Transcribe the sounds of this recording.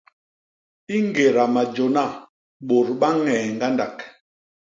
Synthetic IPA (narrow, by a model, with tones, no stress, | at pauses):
i˦ŋ˦ɡe˨ɾa˨ma˨d͡ʒo˨na˦˨ | ɓo˨ɾɓa˦ŋɛː˨ŋɡa˦nda˨k